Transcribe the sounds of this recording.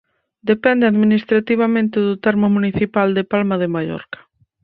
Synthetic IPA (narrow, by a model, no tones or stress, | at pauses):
d̪epɛnd̪ɪaðminist̪ɾat̪iβ̞amẽnt̪ɪðʊt̪ɛɾmʊmuniθipald̪epalmaðemaʎɔ̰ɾkḁ